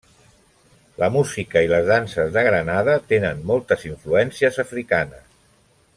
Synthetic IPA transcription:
ləmuzikəiləzðansəzðəɣɾənaðət̪enənmɔlˠt̪əziɱfluɛnsiəzəfɾikanəs

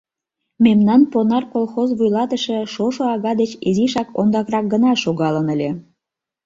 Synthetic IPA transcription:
memnɑnponɑrkolˠxozβujlɑt̪əʃĕʃoʃoɑɣɑd̪et͡ɕiziʃɑkond̪ɑkrɑk̚ɡənɑʃoɣɑlənəlʲe

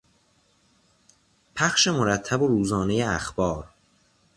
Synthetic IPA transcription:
pʰæxʃe̞moɾæt̪ʰːæboɾuːzɒːnejeæ̰xbɒːɾ

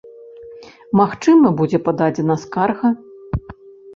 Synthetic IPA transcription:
maxt͡ʂɨmɐbud͡zʲɛpad̪ad͡zʲɛnɐskarɣɐ

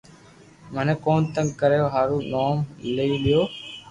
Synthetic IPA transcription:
məneːkoːnt̪əŋɡkəɾejoːɦaːɾuːnoːmləiːɗɪjoː

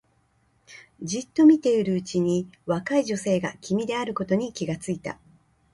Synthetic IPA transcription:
d͡ʑit̪ːo̞mʲit̪e̞iɾɯ̟ɯt͡ɕiɲ̟iβakaiʑo̞se̞ːɡakʲimʲid̪e̞aɾɯ̟ko̞t̪o̞ɲ̟ikʲiɡat͡sɨit̪a̰

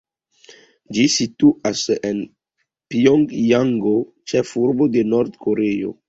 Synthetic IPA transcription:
d͡ʒisit̪uʔasen | pioŋɡjaŋɡo | t͡ʃɛfuɾbod̪enɔɾd̪koɾeo̰

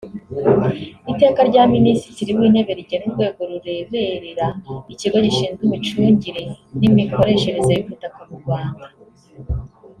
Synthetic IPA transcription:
ite̞ːkaɾɟaːminisitiɾiwiːne̞βe̞ɾiɟenuɾɡwe̞ːɡo̞ɾuɾe̞ːβe̞ɾeɾaiciɡoɟiʃiːnzɡumit͡ʃuːɲɟiɾe̞nimiko̞ɾe̞ːʃe̞ɾe̞zajifutakumuɾɡwaːnda

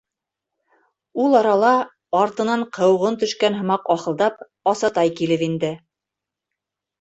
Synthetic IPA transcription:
ulˠɑɾɑlˠɑ | ɑɾt̪ɤ̆nɑɴqʰɤ̆wʁɤnt̪ɵ̆ʃkænɦɤ̆mɑqɑχɤ̆lˠd̪ɑp | ɑsɑt̪ɑjkilɘpind̪ɘ

